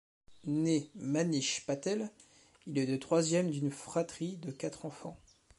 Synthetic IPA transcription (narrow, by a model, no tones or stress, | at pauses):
nemaniʃpat̪ɛl | ilɛlət̪χwazjɛmd̪ynfχat̪χid̪əkat̪χɑ̃fɑ̃